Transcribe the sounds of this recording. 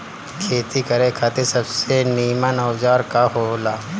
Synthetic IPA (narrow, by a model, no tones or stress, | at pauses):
kʰeːt̪ikɐɾekʰaːt̪esɐbseniːmənɐwd͡ʒaːɾkaɦoːlaː